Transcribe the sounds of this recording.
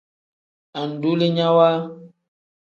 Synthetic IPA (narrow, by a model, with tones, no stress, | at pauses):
a˨n̩˨du˦le˦ɲã˦wa˦